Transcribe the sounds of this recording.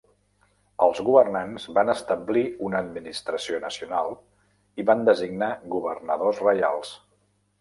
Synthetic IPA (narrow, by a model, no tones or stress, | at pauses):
əlˠzɣuβərnanzβanəst̪əbliunəːd̪minist̪ɾəsionəsiunalˠ | iβand̪əziɡnaɣuβ̞ərnəðozrəja̰lˠs